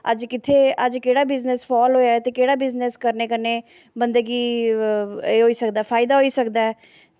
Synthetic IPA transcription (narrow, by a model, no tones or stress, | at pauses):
ə̰d͡ʒkɪt̪ʰeːəd͡ʒkeːɽaːbɪznespʰɔːlɦoːjaːɛt̪eːkeːɽaːbɪzneskəɾneːkəneː | bənd̪əɡiː | eːɦoːiːsəkd̪aɛːpʰaːɪd̪aːɦoːiːsəkd̪aːɛː